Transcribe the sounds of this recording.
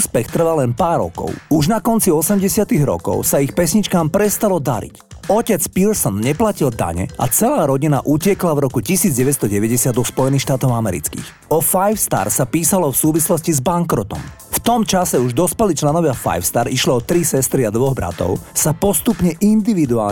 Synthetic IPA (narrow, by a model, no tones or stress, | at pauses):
uːspɛxt̪r̩ʋalɛnpaːɾɔ̰kɔ̰ʊuʒnakɔnt͡siɔsɛmɟɛsɪat̪iɣɾɔ̰kɔ̰ʊsaixpɛsɲit͡ʃkaːmpɾɛst̪alɔd̪aɾḭcɔcɛt͡spilsɔnɲɛplacild̪a̰ɲɛ̰ʔa̰t͡sɛlaːɾɔɟinaʔucɛklavɾɔkucisiːd͡zɟɛʋɛt͡sst̪ɔɟɛʋɛɟɛsɪad̪ɔxspɔjɛniːxʃt̪aːt̪ɔʊamɛɾḭt͡skḭːx | ɔfajfst̪a̰ɾsapiːsalɔfsuːʋislɔscizbaŋkɾɔt̪ɔ̰m | ft̪ɔmt͡ʃasɛuʒd̪ɔspɛlit͡ʃlɛnɔʋɪafa̰jfst̪aɾiʃliɔt̪ɾisɛst̪ɾiad̪ʋɔɣbɾa̰t̪ɔ̰ʊsapɔst̪upɲɛʔind̪iʋid̪ua̰ː